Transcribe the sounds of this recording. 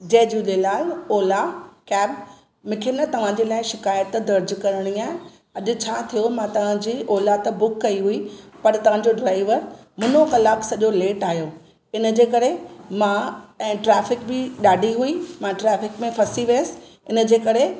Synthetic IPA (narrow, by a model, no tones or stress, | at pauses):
d͡ʑeːd͡ʑulelaːlɔːlakɛːb | mʊ̃kʰenɐt̪ɐʋ̤ãd͡ʑelaːɪʃɪkaːjət̪d̪ɐɾd͡ʑkɐɾəɽ̃iaːɦɪ̃ | ɐʄʊ̆t͡ɕʰaːt̪ʰijomãt̪ɐʋ̤ãd͡ʑiːʔɔːlat̪bʊkːɐiɦuipɐɾt̪ɐʋ̤ãɲ̆d͡ʑoɖɾaːɪʋəɾmʊnokɐlaːksɐʄoleːʈaːɦijoː | ɪnəd͡ʑeːkɐɾemãɛ̃ːʈɾɛːfɪkbɪɗaːɖʱiɦuimãʈɾɛːfɪkmẽfʰɐsiʋiesɪ̥̆ | ɪnə̆d͡ʑeːkɐɾe